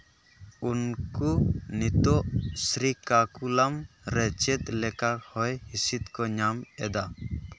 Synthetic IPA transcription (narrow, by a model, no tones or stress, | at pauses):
unkunit̪ɔʔsɾikakulamɾɛt͡ʃɛt̪̚lɛkaɾhɔjhisit̪̚kɔɲamɛd̪a